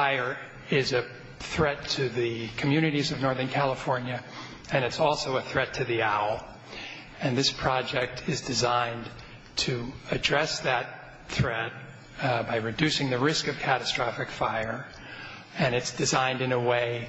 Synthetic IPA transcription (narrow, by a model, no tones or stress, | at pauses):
aɪə˞ | ɪzɨ | θɹɛtʰɨðɨkʰmjʉñɨɾizʌvnɔɹðə̃˞nkʰælˠəfɔɹnjɨ | ɨ̃ɾ̃ɨtsɔlˠsoʊɨθɹɛtʰɨðiaʊlˠ | ɨ̃nðɪspʰɹ̥ɑd͡ʒɛk̚tʰɪzdɨzãɪ̃n | tʰɨɨdɹɛsðɨt̪̚ | θɹɛt̚ | baɪɹɨdʉsɪ̃ŋðɨɹɪskʌv̥kʰæɾɨstɹ̥ɑfɨkfaɪə˞ | ɨ̃ñɨtsd̥ɨzãɪ̃ndɨ̃nəweɪ